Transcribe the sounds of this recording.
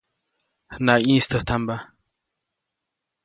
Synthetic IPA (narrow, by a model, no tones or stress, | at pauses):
hnaĩːst̪ʰət̪ʰamba